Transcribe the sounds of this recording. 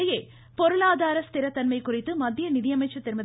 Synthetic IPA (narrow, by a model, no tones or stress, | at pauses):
ɐjeː | pɔɾɯlaːðaːɾɐst̪ɪɾɐt̪ːɐnmɐɪkʊrɪt̪ːɯmɐd̪ʱjɐnɪðɪjɐmɐɪt͡ʃːɐt̪ːɪɾɯmbɐð